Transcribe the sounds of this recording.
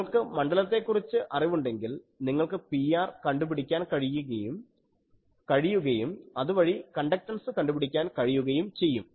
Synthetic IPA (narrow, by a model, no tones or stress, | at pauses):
ɐɭkɨmɐɳɖɐlɐt̪ːe̞kːurit͡ɕːɨʔɐriʋuɳɖe̞ŋɡil | niŋːɐɭkɨpiaːrkɐɳɖupiɽikʲːaːnkɐɻijuɣɐjum | kɐɻijuɣɐjumɐðuʋɐɻikɐɳɖɐk̚ʈɐnsɨkɐɳɖupiɽikʲːaːnkɐɻijuɣɐjumt͡ɕe̞jːum